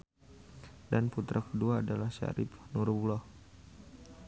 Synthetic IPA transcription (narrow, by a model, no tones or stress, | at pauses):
danput̪ɾʔakəduaːdalahʃa̰ɾɪp̚nurbulɔh